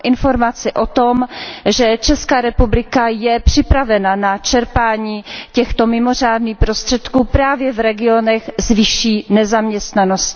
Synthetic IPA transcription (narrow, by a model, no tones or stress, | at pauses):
ʔɪnfo̞ɾmat͡sɪʔo̞t̪o̞mʒɛt͡ʃɛskaːɾɛpublɪkajɛpr̝̥ɪpɾavɛnanat͡ʃɛɾpaːɲiːcɛxt̪o̞mɪmo̞r̝aːdniːxpɾo̞st̪r̥ɛt̪kuːpɾaːvjɛvɾɛɡɪo̞nɛxzvɪʃiːnɛzamɲɛst̪nano̞scɪ̥